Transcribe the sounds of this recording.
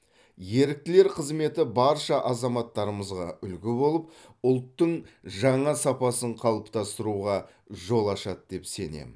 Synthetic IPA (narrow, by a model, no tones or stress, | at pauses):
je̞ɾɪk̚t̪ɪle̞ɾqʰəzme̞t̪ɪbɑɾʃɑʔɑzɑmɑt̪ːɑɾəməzʁɑ̰ʏlkʲɪbo̞lˠəp̚ʊlˠt̪ːəɴʒɑɴɑsɑpɑsəɴqʰɑlˠəpt̪ɑst̪əɾuʁɑ | ʒo̞lˠɑʃɑt̪̚d̪̥e̞pse̞ne̞̰m